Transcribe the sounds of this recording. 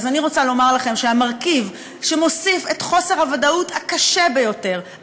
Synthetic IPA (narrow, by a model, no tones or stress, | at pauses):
zaniʁo̞t͡salo̞maʁlaχe̞mʃeamaʁkiv | ʃemo̞sifetχo̞se̞ʁhavadauthakaʃebejo̞te̞ʁ